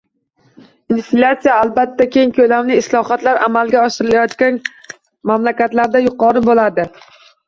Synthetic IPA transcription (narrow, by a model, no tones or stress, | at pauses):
inflʲat̪sijaːlˠbat̪ʰːakʲʰe̞ŋkʲʰɵlamnɪːslˠɒχat̪laɾa̰malˠɡʲaɒʃɪɾɪlajɒt̪kʲan | mamlakʲat̪laɾd̪ajʊqʰɒɾɪbolad̪ɪ